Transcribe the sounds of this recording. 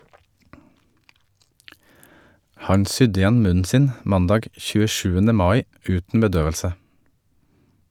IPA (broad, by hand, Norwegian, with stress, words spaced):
ˈhɑɲ ˈsʏd ɪˈjɛn ˈmʉnn̩ ˈsɪn ˈmɑndɑːɡ çʉːəˈʃʉːənə ˈmɑːɪ ˈʉːtn̩ bəˈdøːʋəlsə